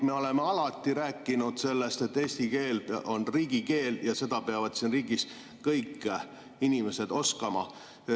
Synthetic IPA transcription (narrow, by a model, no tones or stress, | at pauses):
me̞o̞le̞meɑlɑt̪ˑːiɾæːkˑːinud̪̥se̞lːest̪e̞t̪ːe̞ːsʲt̪ike̞ːlo̞nriːɡ̥ike̞ːljɑse̞d̪̥ɑpeɑvɑd̪̥siːnriːɡis | kɤjkːˑ | inʲime̞se̞d̪o̞skɑmɑ̰